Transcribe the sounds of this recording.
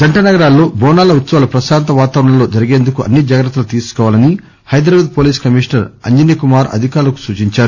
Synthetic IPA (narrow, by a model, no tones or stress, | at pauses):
d͡ʒɐɳʈɐnɐɡɐɾaːlːo̞ːbɔːnaːlɐut̪sɐʋlɐpɾɐʃaːnt̪̬ɐʋaːt̪aːʋɾɐɳɐ̃mlo̞ːd͡ʒɐɾiɡe̞ːnd̪ukuʔɐ̰nːid͡ʒaːɡɾɐt̪ːulut̪iːsu̥kɔʋaːlɐni | hɐjd̪ɾaːʋɐːd̪̚poːliːskɐmiːʂnɐɾɐ̰ɲd͡ʒɐnjɐkumaːɾɐ̰d̪ʱikaːɾlɐku̥suːt͡ʃiɲt͡ʃaːɾu